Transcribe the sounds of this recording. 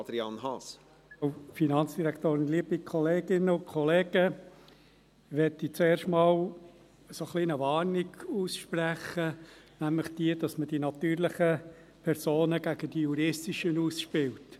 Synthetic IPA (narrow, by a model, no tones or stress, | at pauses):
d̪ɾiɑnhɑs | ʊfinɑnt͡sd̥iɾæktoːɾɪnliəbikʰɔleːɡ̥ɪnːəʊkʰɔleːɡ̥ə | ʋɛtit͡seːɾʃtmɑːl | əsoχliːnəʋɑːrniɡuːsʃpræχə | næmlɪχd̥iəd̥ɑsməd̥inɑt̪yːɾlɪχə | pʰɛɾsoːnəɡæɡ̥əd̥ijuɾɪstiʃənuːsʃpɪlt